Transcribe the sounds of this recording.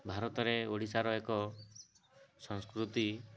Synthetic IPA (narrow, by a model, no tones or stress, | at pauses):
bʱaɾɔt̪ɔɾeoɽisaɾɔekɔ | sɔ̃ŋskɾut̪i